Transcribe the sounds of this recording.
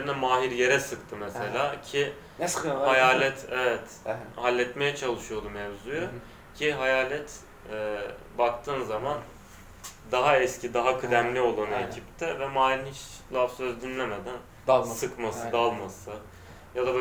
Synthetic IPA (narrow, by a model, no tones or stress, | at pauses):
ɾinɛmaːɦiɾje̞ɾɛsɯkt̪ʰɯmɛselʲaːcʰɪ | hajaːlʲɛt̪ʰɛvɛt̪ | halʲːɛt̪me̞jɛt͡ʃʰalˠɯʃujo̞d̪umɛvzujo | cʰiɦajaːlʲɛt̪ | ɛbak̚t̪ʰɯːnzaman | d̪aɦaɛscid̪aɦakʰɯd̪æmlʲio̞lˠanɯecʰipt̪ʰɛvɛmaːhɾnit͡ʃlˠafsøzd̪inlʲemed̪æn | sɯkmasɯd̪alˠmasɯ | jad̪ab